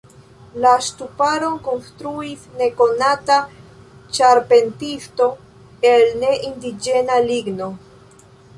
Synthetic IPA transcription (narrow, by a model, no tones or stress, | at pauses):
lastupaɾo̞nko̞nstɾuisne̞ko̞nata | t͡ʃaɾpe̞ntisto̞ | e̞lne̞ʔindid͡ʒe̞naliɡno̞